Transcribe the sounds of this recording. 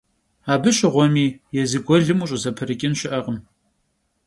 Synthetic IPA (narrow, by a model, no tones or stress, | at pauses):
aːbɨɕɪʁʷɔmiːjɛzɨɡʷɔɮɨmuːɕʼʊzɐpʰɨrɨkʲʼɪnɕɪʔɐʁəm